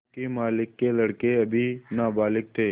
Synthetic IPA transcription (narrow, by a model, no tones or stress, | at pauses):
kemaːlɪkːelɐɽkeɐbʱinaːbaːlɪk̚t̪ʰeː